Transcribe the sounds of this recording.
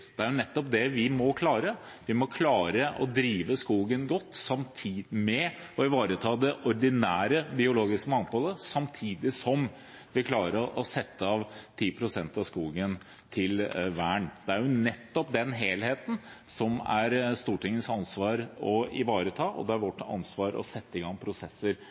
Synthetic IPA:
d̪̥ɛæɾjʊnɛt̪ːɔpd̪ɛʋɪmɔkʰlɑːɾə | ʋɪmɔkʰlɑːɾəʔɔ̰d̪ɾiːʋəskuːɡənɡɔt̪ːsɑmt̪ʰiːmɛ | ɔɪʋɑːɾət̪ʰɑːd̪ɛʔɔɾɖ̪ɪnæːɾəbɪʊloːɡɪskəmɑŋpʰɔləsɑmt̪ʰiːd̪ɪsɔm | ʋɪkʰlɑːɾəʔɔsɛt̪ːəɑʋt̪ʰiːpʰɾʊsɛnt̪ɑʋskuːɡən | t̪ʰɪlʋæːəɳd̪̥ɛæɾjʊnɛt̪ːɔp̚d̪ɛnɦeːlheːt̪n̩sɔmæ̰ɾst̪uːʈɪŋːənsɑnsʋɑːɾɔɪʋɑːɾət̪ʰɑːʔɔ̰d̪ɛæɾʋɔʈːɑ̰nsʋɑːɾɔ̰sɛt̪ːəɪɡɑŋːpʰɾʊsɛsːəɾ

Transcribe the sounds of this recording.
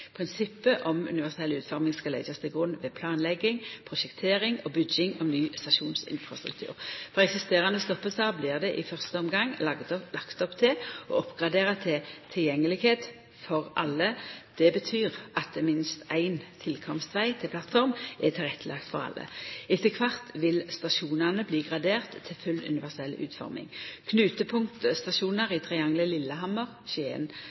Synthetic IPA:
pʰʁɪnsɪpːəʔɔmʉ̰nɪʋæsɪɛlʉːt̪fɔʁmɪŋskɑlæɪd͡ʒɑst̪ʰɪlɡʁʉnʋɛːpʰlɑːnlɛɡːɪŋpʰʁʊʃɛkt̪ʰeːʁɪŋɔbʏd͡ʒɪŋɔmnyːst̪ɑʃuːnsɪ̰nfɾɑst̪ɾʉ̰k̚t̪ʰʉ̰ːʁfɔʁɛksɪst̪eːʁɑnəɔst̪ɔpːəsɑblɪːʁd̪ɛʔɪfœʁst̪əɔmɡɑŋːɑɡ̪lɑkt̪ɔpt̪ʰɪɔ̰ɔpɡʁɑd̪eːʁət̪ʰɪt̪ʰɪljɛŋːəlɪɡheːt̪ | fɔʁɑlːəd̪̥ɛbət̪ʰyːʁɑt̪̚d̪ɛmɪnst̪æɪnt̪ʰɪlkʰɔmst̪ʋæɪt̪ʰɪlpʰlɑt̪fɔʁmɛt̪ʰɪlʁɛt̪ʰːəlɑkt̪fɔʁɑ̰lʔə̰ɪt̪ʰːəkʰʋɑʁt̪ʰʋɪlst̪ɑʃuːnəʁnəbliːɡʁɑd̪eːʁt̪ʰːɪlfʉlːʉ̰nɪʋæʁsɛlʉ̰ːt̪fɔ̰ʁmɪ̰ŋkʰnʉːt̪əpʰʊŋt̪st̪ɑʃuːnəʁit̪ʰʁɛɑŋləlɪlːəɦɑməʁɕʉḛːn

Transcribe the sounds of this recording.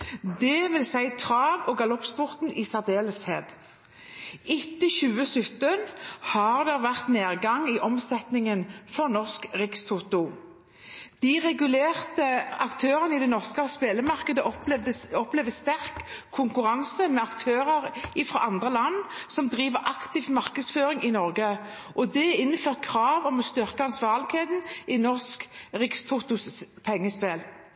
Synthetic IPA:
d̪ɛʋɪlsæɪt̪ʰʁɑːɡɔːɡɑlɔpspʊʁt̪n̩isæʁd̪eːləsheːd̪ | ɪt̪ːəçʉːəsʏt̪ənhɑʁd̪ɛʁʋæʁt̪neːʁɡɑŋiːʔɔmsɛt̪nɪŋənfɔʁnɔʁskʁɪkst̪ʰʊt̪ʊ | d̪̥iʁɛɡʉleːʁt̪əɑkt̪ʰøːʁənəɪd̪ɛnɔʁskəɑspeːləmɑʁkəd̪əʔɔp̪ɛd̪əɔplɛʋd̪əst̪æʁkʰːʊŋkʉʁɑnsəmɛɑkt̪ʰøːʁəʁɪfɾɔ̰ʔɑnd̪ʁəlɑnːsɔmd̪ʁiːʋəʁʔɑkt̪ɪʋmɑʁkəd̪sføːʁɪŋɪnɔʁɡə | ʔɔd̪ɛɪnːəføːʁt̪̚kʰɾɑːʋɔmɔst̪ʏʁkəɑnsʋɑːʁlɪɡheːt̪n̩ɪnɔʁskʁɪkst̪ʰʊt̪ʊspʰɛŋːəspeːl

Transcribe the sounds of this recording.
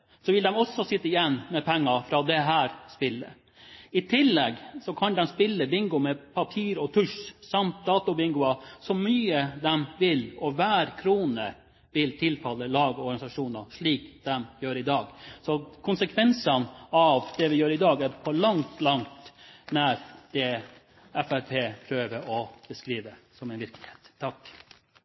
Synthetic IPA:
sɔʋɪld̪ɛmɔsːɔsɪt̪ːəɪjɛnːmɛpʰɛŋːɑfɾɑd̪ɛɦæːɾspɪlːə̰ | ɪt̪ʰɪlːɛɡsɔkʰɑnd̪ɛmspɪlːəbɪŋɡʊmɛpʰɑpʰiːɾɔt̪ʰʉʂsɑmt̪̚d̪ɑːt̪ʊbɪŋɡʊɑsɔmyːəd̪ɛmʋɪlɔʋæːɾkʰɾuːnə̰ | ʋɪlt̪ʰɪlfɑlːəlɑːɡɔɾɡɑnɪsɑʂuːnɑʂɭiːkd̪ɛmjøːɾɪd̪ɑːɡsɔkʰʊnsəkʰʋɛnsɑnɑʋd̪̥ɛʋɪjøːɾɪd̪ɑːɡæɾpʰɔɭɑŋt̪lɑŋt̪næɾd̪̥ɛ | ɛfæɾpʰeːpʰɾøːʋəʔɔb̥əskɾiːʋəsɔmɛɪnʋɪɾkəlɪhe̥ːt̪ʰːɑk

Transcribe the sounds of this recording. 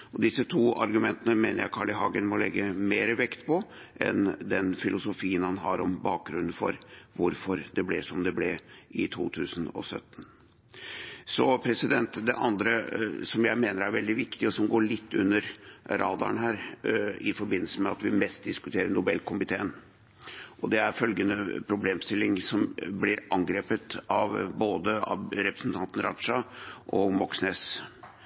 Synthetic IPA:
ɔd̪ɪsət̪ʰuːʔɑɾɡʉmɛnt̪ənəmeːnəɾjæɪkʰɑɭɪɦɑːɡənmɔlɛ̰ɡːəmeːɾəʋɛkt̪pʰɔ | ʔɛ̰nd̪ɛnfɪlʊsʊfiːənhɑnɦɑɾɔmbɑːk̚ɡɾʉnːən̩fɔ̰ɾʋʊɾfɔɾd̪ɛblɛsɔmd̪ɛblɛʔɪt̪ʰṵːt̪ʰʉːsən̩ɔ̰sœ̰t̪ːn | sɔpʰɾɛsɪd̪ɛnt̪d̪ɛʔɑnd̪ɾəsɔmjæɪmeːnəɾæɾʋɛld̪ɪʋɪkt̪ɪɔsɔmɡoːɭɪt̪ːʉnːəɾɾʔɑ̰ːd̪ɑ̰ənɦæːɾɪfɔɾbɪnːəlsəmɛɑt̪ʋɪmɛst̪̚d̪ɪskʉt̪ʰeːɾəɳʊbɛlːkʰʊmɪt̪ʰeːən | ʔɔd̪ɛæɾfœlɡənəpʰɾʊbleːmst̪ɪlːɪŋsɔmblɪɾʔɑŋɡɾeːpət̪ɑʋboːd̪əɑ̰ɾɛpɾəsnt̪ʰɑnt̪n̩ɾʔɑ̰ʂɑʔɔmɔksneːs

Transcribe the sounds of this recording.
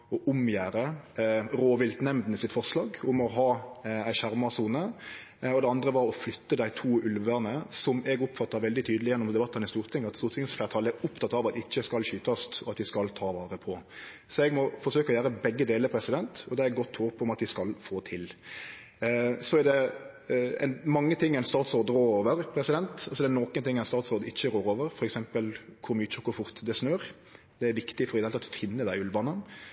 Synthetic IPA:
ɔʔʊmjæːɾə | ɾoːʋɪlt̪nɛmd̪n̩ɪsɪt̪fɔʁslɑːɡʊmɔɦɑːæɪɕæɾmɑsuːnə | ɔd̪ɛɑnd̪ʁəʋɑɾɔflʏt̪ːəd̪æɪt̪ʰuːʉlʋəʁnəsɔmɛɡʊpːfɑt̪ːɑɾʋɛld̪ɪt̪ʰyːd̪əlɪjɛnːɔmd̪ɛbɑt̪ːənɪst̪uːʁt̪ʰɪŋːɑt̪st̪uːʁt̪ʰɪŋsflæʁt̪ʰɑlɛʊpt̪ʰɑt̪ɑːʋɑt̪ɪɪçːəskɑlɕyːt̪ɑst̪ɔɑt̪ʋɪskɑlt̪ʰɑːʋɑːɾəpʰɔ | sɔɛɡmɔfɔɾʂøːkɔjæːɾəbɛɡːəd̪eːləɾpʰɾɛsɪd̪ɛnt̪ɔd̪ɛɛɡɔt̪ʰːhoːpɔmɑt̪ʋɪskɑlfoːt̪ʰɪl | sɔæd̪ɛ | ɛ̰nmɑŋːət̪ʰɪŋːɛnst̪ɑːt̪sɔːɾd̪ɾoːɾoːʋəɾpʰɾɛsɪd̪ɛnt̪ɑlsɔd̪ɛænoːkənt̪ɪŋːɛnst̪ɑːt̪sɔːɾd̪ɪçːəɾoːɾoːʋəɾfɔɾɛksɛmpəlkʰʊɾmyːt̪t͡ʃəkʰʊɾfʊɾt̪d̪ɛsnøːɾ | d̪̥ɛæɾʋɪkt̪ɪfɔɾɪd̪ɛhɛlʰɑt̪fɪnːəd̪æɪʉlʋɑnən

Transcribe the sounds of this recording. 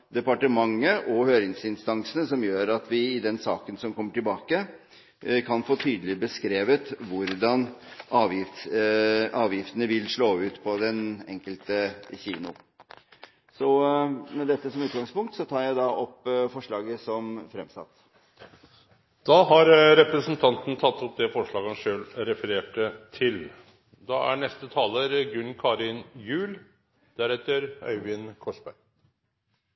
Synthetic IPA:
d̪ɛpɑʈəmɑŋːəʔɔhøːɾɪŋsɪnst̪ɑŋsənəsɔmjøːɾɑt̪ʋɪɪd̪ɛnsɑ̰ːkənsɔmkɔmːəʈɪlbɑːkə | kʰɑnfoːt̪ʰyːd̪əlɪbəskɾeːʋət̪ʋʊɾd̪ɑnɑːʋjɪft̪ | ɑːʋjɪft̪ənəʋɪlʂɭoːʉːt̪pʰɔd̪ɛnɛŋkəlt̪əçḭːnʊ̰ | sɔmɛd̪ɛt̪ːəsɔmʉːt̪ɡɑŋspʊŋkt̪sɔt̪ʰɑːɾjæɪd̪ɑʔɔpːfɔʂɭɑːɡəsɔmfɾɛmsɑ̰t̪ː | d̪̥ɑːɦɑɾɾɛpɾəsnt̪ʰɑnt̪n̩t̪ʰɑt̪ʰːɔp̚d̪ɛfɔʂɭɑːɡəhɑnʂøːlɾɛfəɾeːʈət̪ʰɪl | d̪ɑæ̰ɳɛst̪ət̪ʰɑːləɾɡʉnkʰɑːɾɪnjʉːl | d̪̥æɾɛt̪ːəɾœ̰ʏʋɪnkʰɔʂbæɪ

